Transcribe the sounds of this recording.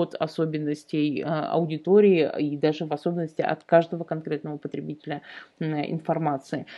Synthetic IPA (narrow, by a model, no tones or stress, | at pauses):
ot̪ɐ̰so̞bʲɪnːəsʲtʲɪjɐ̰ʊdʲɪt̪oɾʲɪɪid̪aʐɨvɐso̞bʲɪnːəsʲtʲɪʔɐ̰t̪kaʐd̪əvəkɐnkɾʲe̞t̪nəvəpət̪ɾʲɪbʲitʲɪlʲəɪ̰nfɐrmat̪sɨɪ